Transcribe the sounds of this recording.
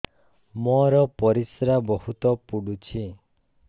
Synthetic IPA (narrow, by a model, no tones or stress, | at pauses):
mɔɾɔpɔɾisɾabɔɦut̪ɔpuɽut͡ʃʰi